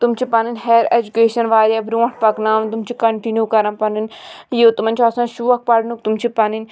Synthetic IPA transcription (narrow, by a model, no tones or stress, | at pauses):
t̪umt͡ʃʰipɐninʲɦeɾed͡ʒukeːʃɐnʋaːɾjabɾuɐ̃ʈ̚pɐknaːmt̪umt͡ʃʰikɐɳʈinjukɐɾɐ̃npɐninjeːt̪umɐnʲt͡ʃʰɐsãʃuɐk̚pɐɽnuk̚t̪umt͡ʃʰipɐnin